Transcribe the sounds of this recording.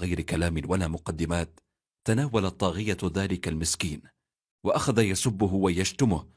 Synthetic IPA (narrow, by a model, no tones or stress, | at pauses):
ɣajɾɪkalaːmɪnwalaːmʊqɑd̪ːɪmaːt̪ː | anaːwalat̪ˤːɑːɣɪjaðaːlɪkalmɪskiːn | waʔaxaðajasʊbːʊɦwajad͡ʒt̪ʊmʊh